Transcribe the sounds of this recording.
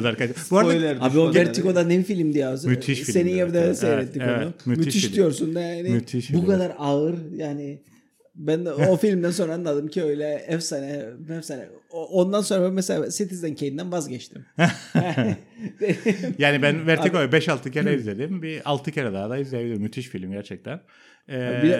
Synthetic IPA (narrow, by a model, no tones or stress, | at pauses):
d̪aɾkat͡ʃbuaɾaajlʲˠaɾabioɛɾt̪iko̞d̪anebifilʲimd̪ijasɯmyt̪ʰiʃseninjevd̪ɛsejɾɛt̪ːieoɛnumymyt̪iʃd̪ijo̞ɾsunjanɪmyt̪ʰiʃbukad̪aɾaɯɾjaːnɪ | bænofilʲimd̪ænso̞nɾaanˠad̪ɯmcʰiø̞jlʲɛɛfsanɛmɛfsanɛ̰oʔond̪anso̞nɾabænmɛselʲaaːsit̪ʰizd̪æncʰej̪ind̪ænvazɟɛt͡ʃt̪ʰim | jaːnibænvɛɾʰikojbɛʃalˠt̪ʰɯcʰeɾɛizlʲe̞d̪imbialˠt̪ʰɯceɾɛd̪aːd̪aizlʲejebiliɾumyt̪ʰiʃfilʲmɟæɾt͡ʃʰɛc̚t̪ʰæn | ɛːi